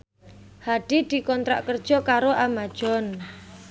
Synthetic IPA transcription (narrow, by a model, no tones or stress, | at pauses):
haɖ̥id̪̥i̤kɔnt̪ɾa̰ʔkərd̥ʒ̥ɔkaɾoʔamad̥ʒ̥ɔn